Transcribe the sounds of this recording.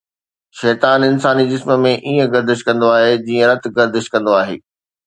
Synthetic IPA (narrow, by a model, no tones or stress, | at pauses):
ʃɛːt̪aːnɪnsaːnid͡ʑɪsməmẽʔiːə̃ɡɐɾd̪ɪʃkɐ̃nd̪oaːɦed͡ʑiːə̃ɾɐt̪ɡɐɾd̪ɪʃkɐ̃nd̪oaːɦḛː